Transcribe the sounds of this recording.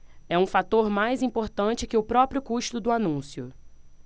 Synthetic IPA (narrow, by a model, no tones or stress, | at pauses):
ɛũfat̪oɾmajzĩmpoɾt̪ɐ̃t͡ʃɪkɪʊpɾɔpɾijʊkuʃt̪ʊd̪ʊanũsjʊ